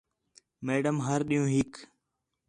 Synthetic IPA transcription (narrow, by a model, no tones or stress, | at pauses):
meːɖəmɦəɾɗijũːɦɪk